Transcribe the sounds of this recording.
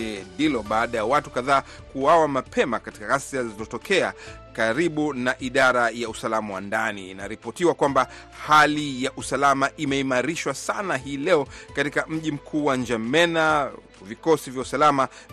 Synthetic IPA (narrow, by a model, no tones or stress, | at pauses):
ɛndilɔɓaːɗajawatu̥kaðaː | kuwawamapʰɛmakati̥kaɣasiazizɔtɔkɛa | kaɾiɓunaʔiɗaɾajausalamawa̰ndanḭːnaɾipɔtiwakwamba | halijaʔusalamaʔimɛimaɾiʃwasanaɦiːlɛɔkatikam̩ʄim̩kʰuːwand͡ʒamɛna | vikɔsivjausalama